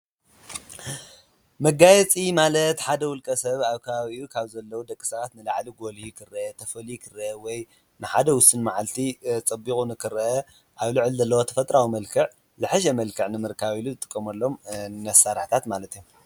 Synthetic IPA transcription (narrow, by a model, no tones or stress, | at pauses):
mɐɡajɛt͡sʼimalɐt̪ħad̪ɐwʊlkʼɐsɐβaβkʰɐβaβiukʰaβzɐlːɐwud̪ɐkʼːi̥sɐβat̪nɨlaʕliɡo̞lhikʰɨrɐʔɐt̪ʰɐfɐlikʰɨrɐʔɐwɔj | nɨħad̪ɐwʊsɨnmaʕalt̪ʰit͡sʼɐbːikʼunɨkʰɨɾɐʔɐ | ʔaβlɨʕlzɐlːɐwot̪ʰɐ̥fɐt̪ʼɾawimɐlkʰɨʕ | zɨħɨʃɐmɐlkʰɨʕnɨmɨɾkʰaβiluzɨt̪ʼɨkʼːɐmɐlːo̞mnɐsːaɾħt̪ʰat̪malɐt̪iju